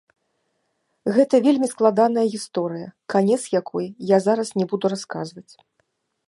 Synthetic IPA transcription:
ɣɛt̪ɐvʲelʲmʲisklˠad̪anɐjɐɣʲist̪ɔɾɨjɐkanʲɛt̪sjakʰɔjjazaɾɐsnʲɛbud̪uɾaskazvɐt͡sʲ

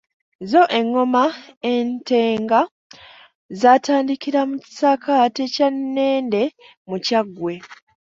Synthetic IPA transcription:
zo̞ʔe̞ŋːo̞maente̞ːŋɡa | zaːtaːndikiɾamuci̥sakatecanːe̞ːnde̞ | mucaɡwe̞

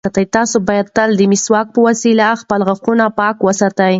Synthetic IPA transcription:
at̪ajt̪ɑsobɑjad̪̚t̪ald̪əmiswɑk̚pəwasilaxpəlɣaxunapɑkwəsat̪aj

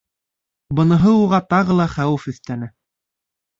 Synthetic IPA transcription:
bɤ̆nɤ̆ɦɤuʁɑt̪ɑʁɤlˠɑχæwɘfɵ̆θt̪ænɘ

